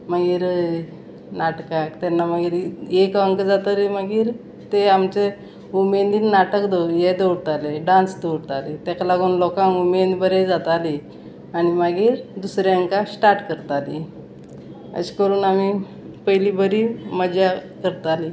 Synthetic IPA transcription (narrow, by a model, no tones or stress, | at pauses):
maɡiːɾ | naʈkãkt̪ɛnːamaɡiːɾekəŋkəd͡zat̪aliməɡiːɾ | t̪eamt͡se | umend̪iːnːaʈəkd̪əjed̪əwɽt̪aleɖãnsd̪əwɽt̪alet̪ɛklaɡuːnlɔkãŋumend̪bəɾed͡zat̪ali | añimaɡiːɾd̪usɾjaəŋkasʈaɾʈkəɾt̪ali | ə̰ɕkəɾuːnami | pəjlibəɾiməd͡ʑakəɾt̪ali